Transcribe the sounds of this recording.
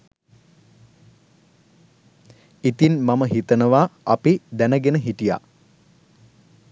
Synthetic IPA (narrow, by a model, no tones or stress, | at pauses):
it̪inmaməɦit̪ənəʋaapid̪ænəɡenəɦiʈija̰